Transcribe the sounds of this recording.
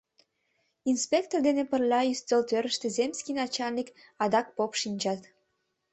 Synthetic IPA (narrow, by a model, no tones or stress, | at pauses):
inspʲek̚t̪ord̪enepərlɑyst̪əlt̪øɾəʃt̪ĕzemskʲinɑt͡ɕɑlnik | ɑd̪ɑk̚popʃinʲd͡ʑɑt̪